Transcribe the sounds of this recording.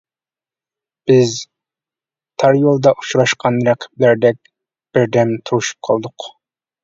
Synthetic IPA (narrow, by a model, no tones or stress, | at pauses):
b̥ɪz | t̪ʰɑɾjolˠd̪ɑʔut͡ʃɾɑʃqʰɑnɾæqʰə̥blæɾd̪ɛk̚ʲ | b̥ɪɾd̪ɛmt̪ʰuɾuʃu̥p̚qʰɑ̰lˠd̪ʊq